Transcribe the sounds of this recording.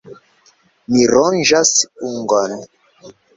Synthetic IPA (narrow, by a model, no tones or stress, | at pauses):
miɾɔnd͡ʒasuŋɡɔn